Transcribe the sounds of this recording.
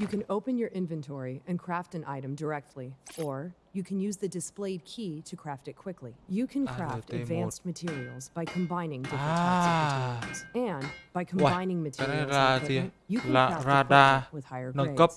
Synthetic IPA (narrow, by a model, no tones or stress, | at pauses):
jɨkɨ̃noʊpɨ̃njə˞ʔɪ̃ɱvɨ̃ntʰɔɹiɨ̃nkʰɹ̥æftɨ̃nʔa̰ɪɾɨ̃mdə˞ɛk̚tʰˡliʔə˞jɨkʰɨ̃njʉzðɨdɨspleɪd̚kʰiɾɨkʰɹ̥æftɨt̚kʰw̥ɪkʰlijɨkʰɨ̃nkkʰɹ̥æftɨdvæ̃nstmɨtʰɪɹil̩ˠzbaɪkʰɨ̃mbãɪ̃nɪ̃ŋdɪf | z̥ɨ̃nb̥aɪkʰmbãɪ̃nɪ̃ŋmɨtʰaɾaːti | jɨkaɾadaːwɨð̥haɪə˞ɡnəekə